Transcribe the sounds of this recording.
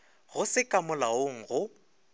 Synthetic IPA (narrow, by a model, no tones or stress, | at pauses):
ɣʊsɪkʼamʊlaoŋ̩ɣʊ